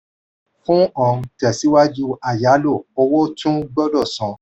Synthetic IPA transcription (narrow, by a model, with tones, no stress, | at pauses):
fũ˦ɔ̃˨˧˨tɛ˨si˨˦wa˦d͡ʒu˦a˨ja˨˦lo˦˨ɔ˧wɔ˦tũ˦ɡ͡bɔ˦dɔ˦˨sɔ̃˨˦